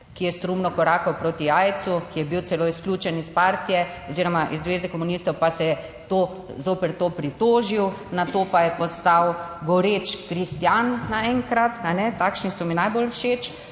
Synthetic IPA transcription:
kijɛst̪ɾumnɔkɔɾaːkɔwpɾoːt̪iaːjt̪sukijɛbiwt̪sɛloːisklʲuːt͡ʃɛnispaːɾt̪ijɛ | ɔziɾɔmaʔizːʋeːzɛkɔmunist̪ɔwpasɛjɛ | t̪oː | zoːpɛɾt̪oːpɾit̪oːʒiwnat̪oːpajɛpɔst̪awɡɔɾet͡ʃkɾist̪jannaɛŋkɾat̪anɛt̪aːkʃnisɔminajbolʃeːt͡ʃ

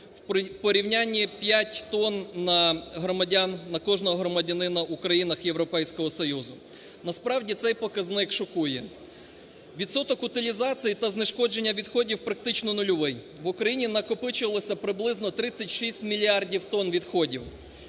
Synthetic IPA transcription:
wpɔɾʲiwnʲanʲːipʲjatʲt̪ɔnːɐɦɾɔmɐdʲanːɐkɔʒnɔɦɔɦɾɔmɐdʲɐnɪnɐukɾɐjinɐxjeʋwɾɔpɛjsʲkɔɦɔsɔjuzʊ | nɐspɾɑwdʲit̪sɛjpɔkɐznɪkʃɔkujɛ | ʋʲid̪sɔt̪ɔkʊt̪ɪlʲizɑt͡sʲijit̪ɐznɪʃkɔd͡ʒenʲːɐʋʲid̪xɔdʲiwpɾɐk̚t̪ɪt͡ʃnɔnʊlʲɔʋɪj | ʋʊkɾɐjinʲinɐkɔpɪt͡ʃʊʋɐlˠɔsʲɐpɾɪblˠɪznɔt̪ɾɪt͡sʲːɐtʲʃisʲtʲmʲilʲiɑrdʲiwt̪ɔnʋʲid̪xɔdʲiw

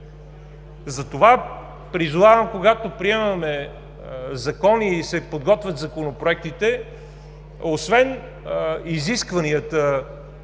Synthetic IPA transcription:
zɐt̪ova | pɾizovavɐmkoɡat̪opɾiɛmɐmɛ | zɐkɔniːsɛpod̪̚ɡɔt̪vʲət̪zɐkonopɾoɛk̚t̪it̪ɛ | osvɛn | iziskvɐniət̪ə

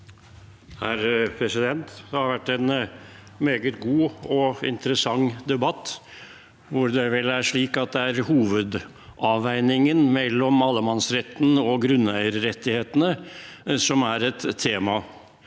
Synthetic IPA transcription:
hæɾpʰɾɛsɪd̪ɛnt̪d̪ɛhɑɾʋæʈːæn | meːɡət̪ɡuːɔɪ̰nt̪əɾəsɑŋd̪ɛbɑt̪ː | ʋʊɾd̪ɛʋɛlæʂɭiːkɑt̪̚d̪ɛæɾhuːʋəd̪ | ʔɑʋæɪnɪŋənmɛlːɔmɑlːəmɑnsɾɛt̪ːn̩ɔɡɾʉnːæɪəɾɾɛt̪ːɪheːt̪ənəsɔmæɾɛt̪ʰːeːmɑ

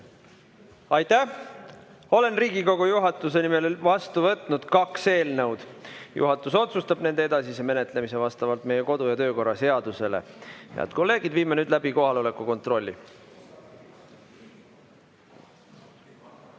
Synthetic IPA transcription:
ɑjt̪æ | o̞le̞nriːɡiko̞ɡ̥ujuɦɑt̪ːˑus̬e̞nime̞lvɑst̪uvɤt̪ˑnud̪̥kɑkse̞ːlnɤwd̪̥jṵɦɑt̪ːˑuso̞t̪sust̪ɑb̥ne̞nd̪̥eed̪ɑsiseme̞ne̞t̪ˑle̞mise̞vɑst̪ɑvɑlt̪me̞je̞ko̞d̪̥ujɑt̪ø̞ːko̞rːɑse̞ɑd̪̥use̞lḛjɑ̰d̪̚ko̞lːe̞ːɡ̥id̪̥viːmenyːd̪̥læb̥iko̞ɦɑleo̞le̞kːˑuko̞nt̪ːˑro̞lʲːi

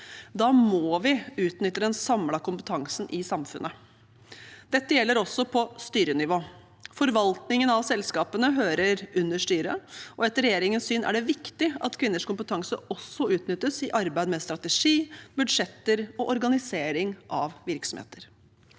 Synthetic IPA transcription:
d̪ɑːmoːʋɪʉːt̪nʏt̪ːɾəɛnsɑmlɑkʊmpət̪ʰɑŋsnʔɪsɑmfʉ̰nʔə | d̪̥ɛt̪ːəjɛlːəɾɔsːɔpʰɔst̪yːɾənɪʋoː | fɔɾʋɑlt̪nɪŋənɑʋsɛlskɑːpənəɦøːɾəɾʉnːəʂʈyːɾəɔɛt̪ːəɾɛjeːɾɪŋənsyːnʔæ̰ɖɛʋɪkt̪ɪɑ̰t̪kʰʋɪnːəʂkʊmpət̪ʰɑŋsəɔsːɔʉːt̪nʏt̪ːəsɪʔɑɾbæɪd̪mɛst̪ɾɑt̪əʂiːbʉd̪ʂɛt̪ːəɾɔʔɔɾɡɑnɪseːɾɪŋʔɑʋʋɪɾksɔmhḛːt̪əɾ

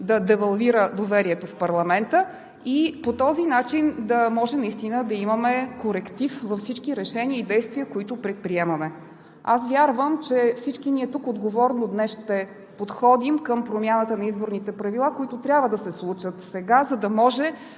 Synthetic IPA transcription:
d̪ɐd̪ɛvɐlˠviɾəd̪ovɛɾiɛt̪ofpɐɾlˠɐmɛnt̪ə | ipot̪ɔzinat͡ʃind̪ɐmɔʒɛnɐist̪inəd̪ɐiməmɛkoɾɛkt̪ifvɐfsit͡ʃkiɾɛʃɛniəid̪ɛjst̪viəkoit̪ʊpɾɛt̪̚pɾiɛmɐmɛ | asvʲjaɾvəmt͡ʃɛfsit͡ʃkiniɛt̪ukod̪ɡovɔɾnod̪nɛsʃt̪ɛ | pot̪xɔd̪imkəmpɾomʲjanət̪ənɐizboɾnit̪ɛpɾɐvilˠakoit̪ʊt̪ɾʲabvəd̪ɐsɛslˠut͡ʃət̪sɛɡazɐd̪ɐmɔʒɛ

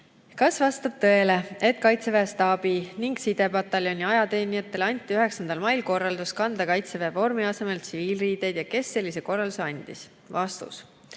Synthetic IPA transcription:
kɑsvɑst̪ɑb̥̚t̪ɤ̞e̞le̞e̞t̪̚kɑjt̪se̞veːst̪ɑːb̥iniŋɡ̥sid̪̥e̞bɑt̪ˑːɑljo̞nʲiɑjɑt̪e̞ːnijɑt̪ˑːe̞lɑnʲt̪ʲːˑiyɦe̞ksɑnd̪̥ɑlmɑjlko̞rːɑld̪uskɑnd̪̥ɑkɑjt̪se̞veːvo̞rmiɑse̞me̞lt̪siviːlriːd̪̥ejd̪̥jɑke̞sːe̞lʲːise̞ko̞rːɑluse̞ɑnʲd̪̥is | vɑst̪ṵs

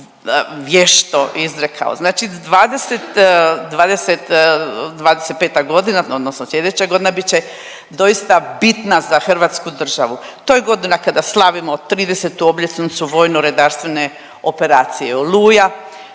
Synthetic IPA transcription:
ʋjeʃt̪o̞ʔizɾekʰa̰o̰znaːt͡ʃid̪ʋaːd̪eset̪d̪ʋaːd̪eset̪d̪ʋaːd̪eset̪̚pe̞ːt̪aɡo̞d̪inaod̪nosnoslʲe̞d̪et͡ɕaɡo̞d̪inabit̪t͡ɕe | d̪o̞ist̪abit̪nazaxr̩ʋaːt̪skud̪r̩ʒaʋut̪ojeɡo̞d̪inakad̪aslˠaʋimot̪ːɾiːd̪eset̪uobʎʲet̪snit̪suʋo̞ːjnoɾed̪aːɾst̪ʋe̞ne̞ | o̞pe̞ɾaːt̪sijeoluːja

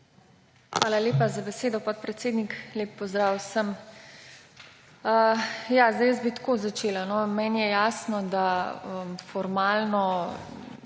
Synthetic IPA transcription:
xʋaːlaleːpazabɛseːd̪ɔpɔt̪̚pɾɛt̪seːd̪nikleːpːɔzd̪ɾaːwsəm | əjazd̪ɛjəzbit̪koːzat͡ʃeːlanɔmɛːnjɛjaːsnɔd̪aəfɔɾmaːlnɔ

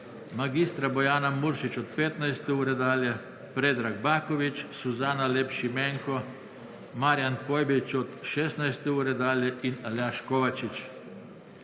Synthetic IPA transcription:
maɡist̪ɾabɔjaːnamuɾʃit͡ʃɔt̪peːt̪najst̪ɛuːɾɛd̪aːljɛ | pɾeːd̪ɾaɡbaːkɔʋit͡ʃsuzaːnaleːpʃimeŋkɔ | maɾjanpojbit͡ʃɔt̪ʃeːst̪najst̪ɛuːɾɛd̪aːljɛʔinaljaʃkoʋat͡ʃit͡ʃ

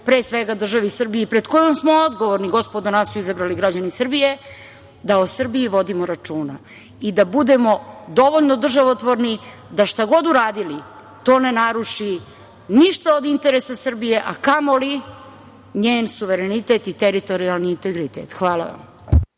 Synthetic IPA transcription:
pɾeːsʋeɡad̪r̩ʒaʋisr̩biepɾed̪kojomsmood̪ɡo̞ʋoɾniɡo̞spod̪onasuizabɾaliɡɾad͡ʑanisrbije̞ | d̪aosr̩biiʋo̞d̪imoɾat͡ʃuːna̰ | id̪abud̪e̞mo̞d̪o̞ʋoʎnod̪r̩ʒaʋot̪ʋoɾni | d̪aʃt̪aɡo̞d̪uɾaːd̪ili | t̪o̞ːne̞naɾuʂi | niʃt̪aod̪int̪eɾesasr̩bije̞ʔakamoli | ɲeːnsuʋeɾenit̪et̪it̪eɾit̪o̞ɾialˠniːnt̪e̞ɡɾit̪ḛt̪xʋaːlˠa̰ʋa̰m

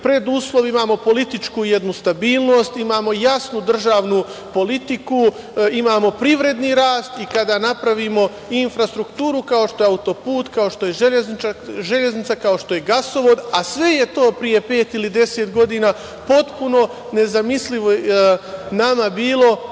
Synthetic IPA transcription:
pɾe̞d̪uːslo̞ʋimaːmo̞po̞lit̪it͡ʃkuje̞d̪nust̪abiːlˠno̞ːst̪imaːmo̞jasnud̪r̩ʒaːʋnupo̞lit̪iku | imaːmo̞pɾiʋɾe̞d̪niɾaːst̪ikad̪aːnapɾaʋimo̞ | infɾast̪ɾukt̪uːɾukao̞ʃt̪o̞jeaut̪o̞puːt̪kaoʃt̪o̞je̞ʒeʎezniaʒe̞ʎe̞znit̪sakao̞ʃt̪o̞je̞ɡaso̞ʋo̞d̪asʋe̞je̞t̪o̞ːpɾije̞pe̞ːt̪ilid̪e̞set̪ɡo̞d̪iːnaː | po̞t̪puno̞ | ne̞zamisliʋoenamabiːlˠo̞

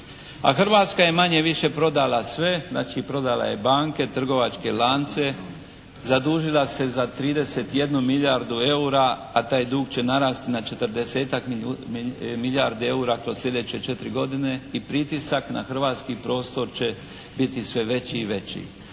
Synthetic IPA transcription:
a̰xr̩ʋaːt̪skaje̞maɲe̞ʋiʃe̞pɾo̞d̪alasʋe̞zna̰ːt͡ʃipɾo̞d̪ala̰je̞baːŋke̞t̪r̩ɡo̞ʋat͡ʃke̞laːnt̪se̞ | zad̪uːʒilase̞zat̪ɾiːd̪e̞set̪je̞d̪numiʎaɾd̪ue̞uɾa | at̪aːjd̪uːɡt͡ɕe̞naɾaːst̪inat͡ʃe̞t̪rd̪ese̞ːt̪ak | miʎjaɾd̪ie̞uːɾakɾo̞zsslʎʲe̞d̪et͡ɕet͡ʃe̞t̪ɾiɡo̞d̪ine̞ipɾit̪isakna̰xr̩ʋaːt̪skipɾo̞ːst̪o̞ɾt͡ɕe̞ | bit̪isʋe̞ʋe̞t͡ɕiːʋe̞t͡ɕḭ

